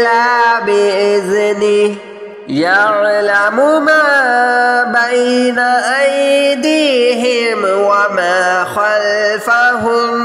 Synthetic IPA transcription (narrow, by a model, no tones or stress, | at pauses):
labɪɪzɪnɪ | jaʕlamʊma | bajnaʔajd̪ɪɦɪmwamaxalfaɦʊm